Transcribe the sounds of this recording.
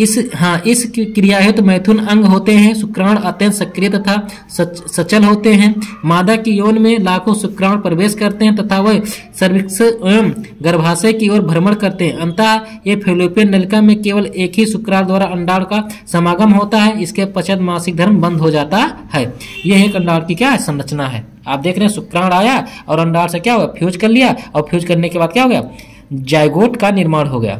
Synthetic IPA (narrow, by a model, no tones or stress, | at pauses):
ɪsɦãːʔɪskɾɪjaːɦɪt̪mɛːt̪ʰunɐ̃ŋɡɦoːt̪eɦɛ̃sʊkɾaːɽɐt̪jə̃nsɐkɾijət̪ɐt̪ʰa | sɐt͡ʃəlɦoːt̪eɦɛ̃maːd̪akijoːnmẽlaːkʰosʊkɾaːɽpɾəʋeːskɐɾt̪eɦɛ̃t̪ɐt̪ʰaʋɐɦsəɾʋɪks | ɡəɾbʱaːsəkioːɾbʱəɾməɽkɐɾt̪eɦɛ̃ɐ̃nt̪a | jepʰelopijənːəlkamẽkeːʋəleːkɦisʊkɾãːɽd̪waːɾaɐɳɖaːɽkasəmaːɡəmɦoːt̪aɦɛɪskepət͡ʃʰəd̪maːsɪk̚d̪ʱəɾmbə̃nd̪ʱɦod͡ʒaːt̪ahɛː | jeɦeːkɐ̃ɳɖaːɽkikjaːɦɛsə̃nɾət͡ʃnaɦɛ̰ː | aːp̚d̪eːkʰɾeɦɛ̃sʊkɾãːɽaːjaɔːɾɐ̃ɳɖaːɽsekjaɦojapʰjuːd͡ʒkɐɾlijaɔːɾpʰjuːd͡ʒkɐɾnekebaːd̪kjaɦoːɡəja | d͡ʒaːjɡoːʈkanɪɾmaːɽɦoɡəja̰ː